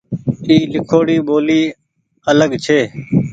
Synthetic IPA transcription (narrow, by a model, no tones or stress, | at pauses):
iːlɪkʰoːɽiːɓoːliː | ələɠt͡ʃʰeː